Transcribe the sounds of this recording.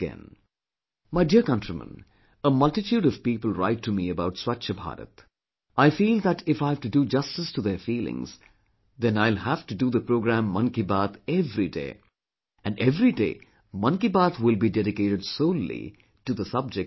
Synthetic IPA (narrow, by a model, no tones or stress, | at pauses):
ɛ̰̃n | maɪdiəɾkʌ̃ntɹimə̰̃n | əmʌlʈɨtjuːɾʌv̥piːpəl̩ˠɹa̰ɪtʰːumiəbaʊʈswʌt͡ʃəbʱa̰ːɾə̰t̪ | aɪfiːld̪æʈɪfaɪɦævʈudud͡ʒʌstɨstuðəfiːlɪ̰̃ŋz̥ | ðɛ̃naɪlˠhæfʈuduðəpɾoːɡɾæ̃mːʌ̃nkibat̪ɛvɾidḛɪ | æ̃nɖɛvɾidḛː | mʌ̃nkibaːt̪ʰwɪlˠbidɛɾɪkeːɾɨɖsoʊlḭ | ʈuðəsʌb̚d͡ʒɛk